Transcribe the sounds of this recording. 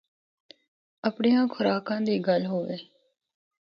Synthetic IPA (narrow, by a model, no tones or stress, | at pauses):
əpɳejãːkʰʊɾaːkãːd̪iːɡəlɦoːʋeː